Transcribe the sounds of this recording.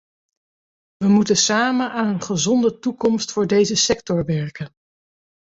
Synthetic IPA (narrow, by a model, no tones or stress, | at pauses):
ʋəmutəsaːmənʔaːnənχəzɔndətukɔmstfʊːɹdejzəsɛk̚tɔɹʋɛɹkən